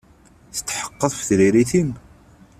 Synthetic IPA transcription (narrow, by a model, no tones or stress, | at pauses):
θə̥t̪ːħə̥qːəðˤfəθɾiɾiθim